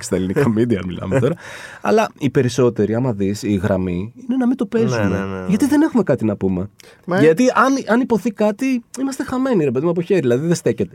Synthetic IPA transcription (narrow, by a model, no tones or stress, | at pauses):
e̥st̪ɐelinikɐmid̪iɐmilɐ̰met̪o̞ɾɐɐ̰lɐipe̞ɾiso̞t̪e̞ɾiɐmɐðisiɣɾɐmiine̞nɐmit̪o̞pe̞zumeʝɐt̪iðe̞ne̞xume̞kɐt̪inɐpume̞ | ʝɐt̪iʔɐnɐnipo̞θikɐt̪iimɐst̪e̞xɐme̞niɾe̞pe̞ðimɐpo̞çe̞ɾiilɐðiðe̞st̪e̞cet̪e̞